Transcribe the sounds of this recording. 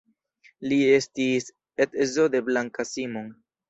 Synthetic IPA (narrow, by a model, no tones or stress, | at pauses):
lie̞stis | etezode̞blaŋkasimoŋ